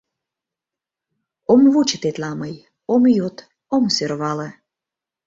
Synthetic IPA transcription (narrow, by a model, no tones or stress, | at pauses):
omβut͡ɕə̥t̪et̪lɑməj | omjot̪ | omsørβɑlə̆